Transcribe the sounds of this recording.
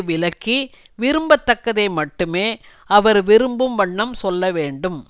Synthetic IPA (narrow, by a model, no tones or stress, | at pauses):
ʋɪlɐkːi | ʋɪɾɯmbɐt̪ːɐkːɐðɐɪmɐʈːɯmeː | ɐʋɐɾʋɪɾɯmbɯmʋɐɳːɐmsɔlːɐʋeːɳɖɯm